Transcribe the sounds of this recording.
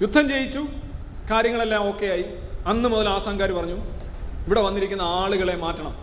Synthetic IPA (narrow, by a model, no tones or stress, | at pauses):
jud̪ʱːɐmt͡ɕe̞jit͡ɕːu | kaːɾjɐŋːɐɭe̞lːaːmo̞ːkːe̞jaːji | ɐnːɨmuðɐlaːsaŋɡaːɾiupɐrɐɲːu | iʋiɽe̞ʋɐnːiɾikʲːunːɐaːɭuɣɐɭe̞maːtːɐɳɐm